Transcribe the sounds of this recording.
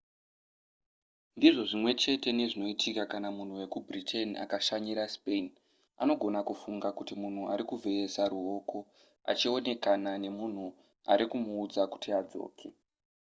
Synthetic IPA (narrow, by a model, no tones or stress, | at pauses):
ndiʐo̞ʐimwe̞t͡ʃe̞te̞ne̞ʐino̞itʰikakanamun̤uwe̞kubritʰe̞nia̰kaʃaɲiɾaspen | a̰no̞ɡʱo̞nakufuŋɡakutimun̤uaɾikuvʱe̞esaɾuɦo̞ko̞ | a̰t͡ʃio̞ne̞kanane̞mun̤u | a̰ɾikumuːd͡zaku̥tiad͡zo̰ːkʰe̞